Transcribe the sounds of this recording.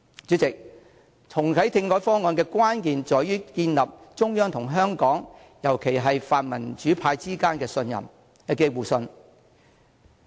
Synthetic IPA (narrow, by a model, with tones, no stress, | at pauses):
t͡ʃyː˨˥t͡sɪ˨k̚ | t͡sʰʊ˨˩ŋt̪ʰɐ˨˥jt̪ʰɪ˧ŋkɔː˨˥jfɔː˥ŋɔː˨˧nkɛː˧kʷwaː˥nkiː˨nt͡ʃɔː˨˥jyː˥kiː˧nlɐ˨p̚t͡sʊ˥ŋjœː˥ŋt̪ʰʊ˨˩ŋɦœː˥ŋkɔː˨˥ŋ | jɐ˨˩wkʰe˨˩jɦɐ˨jfaː˨t̚mɐ˨˩nt͡ʃyː˨˥pʰaː˧jt͡siː˥kaː˥nkɛː˧sɵ˧njɐ̰˨˩m | hɐ˨˧keː˧wuː˨sɵ˧n